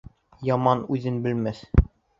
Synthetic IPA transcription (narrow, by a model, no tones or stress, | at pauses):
jɒmɑnʉðɘnbɘ̆lmæθ